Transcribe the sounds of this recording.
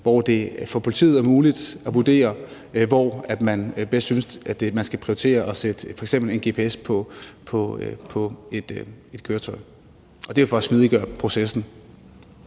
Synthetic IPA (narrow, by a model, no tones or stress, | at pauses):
ʋɒd̥e̝fɒ̽pʰo̝lit͡sʰḭːð̩ˠæɐmuːlid̥æʋud̥e̝̰ːɐ | ʋɒæd̥mænb̥esd̥synsæd̥emænsɡ̥æpʰʁioi̥t͡sʰe̝̰ːɐʔɒ̽sed̥əfɒ̽eɡ̥sem̰b̥l̩e̝nɡ̥e̝pʰe̝espʰɒpʰɒ̽pʰɒ̽ed̥e̝d̥kʰøːɐt͡sʰɒ̽ɪ | ʔɒ̽d̥e̝efɒ̽smiðˠiɡ̥ɶɐ̰pʰʁo̝sesn̩